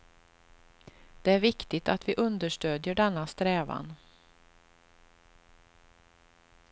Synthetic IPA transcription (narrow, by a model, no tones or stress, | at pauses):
d̪̥ɛæɾvɪkt̪ɪt̪at̪vɪʔɵnd̪əʂʈøːd̪jəɖɛnːast̪ɾɛːva̰n